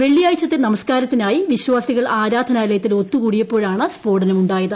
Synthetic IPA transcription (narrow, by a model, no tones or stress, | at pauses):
ʋe̞ɭːijaːjit͡ɕːɐt̪ːenɐmɐskaːɾɐt̪ːinaːjiʋiɕwaːsiɣɐɭʔaːɾaːd̪ʱɐnaːlɐjɐt̪ːilo̞t̪ːukuːɽijɐpːo̞ːɻaːɳɨspo̞ːrɖɐnɐmuɳɖaːjɐðɨ